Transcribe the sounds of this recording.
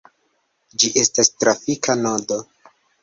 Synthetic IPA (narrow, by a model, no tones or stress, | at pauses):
d͡ʒiʔe̞stastɾafikanodo̞